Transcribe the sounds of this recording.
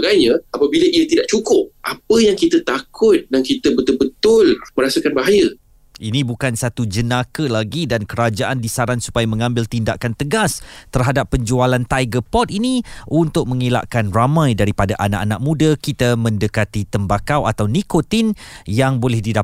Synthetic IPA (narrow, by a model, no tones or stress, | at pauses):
ɡajɲãapabiləʔiət̪idaʔt͡ʃukʊp̚ʔapəjaŋkit̪ət̪akʰʊt̪̚daŋkit̪əbət̪ʊlbət̪ʊlməɾasakanbaɦajə | ʔinĩbukansat̪ud͡ʒənakəlaɡidankəɾad͡ʒaʔandisaɾansu̥pajamə̃ŋãmbɪlt̪indaʔkant̪əɡast̪ərɦadapːəɲd͡ʒualant̪ajɡəpɔt̪̚iniʔunt̪ʊk̚mə̃ŋila̰ʔkanramãjdaɾipadaʔana̰ʔanaʔ̚mũdəkit̪amə̃ndəkat̪it̪əmbakawʔat̪awnikot̪injaŋbolɛhdida